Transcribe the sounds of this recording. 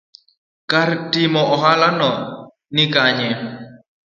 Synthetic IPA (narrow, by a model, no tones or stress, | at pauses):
kaɾtimɔɔɦalanɔ | nikaɲɛ